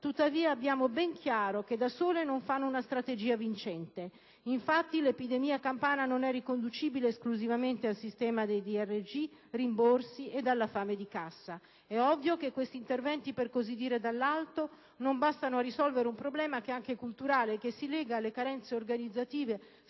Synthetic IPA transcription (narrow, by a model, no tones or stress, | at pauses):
t̪ut̪ːaviːaːbjaːmobɛŋkʰjaːɾoked̪asoːlenoɱfanːounast̪ɾat̪ed͡ʒiːavint͡ʃɛnt̪e | iɱfat̪ːilepid̪emiːakampaːnanonɛrːikond̪ut͡ʃiːbileːskluzivament̪ealsist̪ɛːmad̪ejd̪iɛrːed͡ʒirimborsiʔed̪alːafaːmed̪ikasːa | ɛɔvːjokekːwest̪iːnt̪ervɛnt̪iperkozid̪ːiːɾed̪alːalt̪o | nombast̪anoarːisɔlveɾeumpɾoblɛːmakeaŋkekult̪uɾaːlekesːilɛːɡaːlːekaɾɛnt̪seorɡanid̪zːat̪iːve